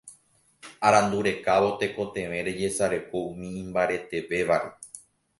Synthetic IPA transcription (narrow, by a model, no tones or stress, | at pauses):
aɾãnd̪uɾe̞kaʋo̞t̪e̞ko̞t̪ẽ̞ʋẽ̞ɾe̞d͡ʒe̞saɾe̞ko̞ũmĩːmbaɾe̞t̪e̞ʋe̞ʋaʔe